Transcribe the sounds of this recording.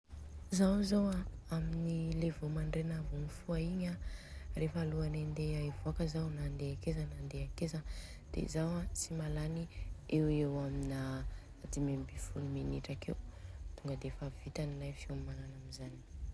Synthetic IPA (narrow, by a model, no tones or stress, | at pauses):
zawzowaaminilevomaɳɖ͡ʐenavunifuaiɲarefaːluanand̪eaivoakəzawnand̪eakezanand̪eakezə | d̪̥ḛzawat͡simalaniewewaminaː | d̪imembifuluminiʈ͡ʂakewt̪uŋɡəd̪efavit̪anilajfiomalanamizani̥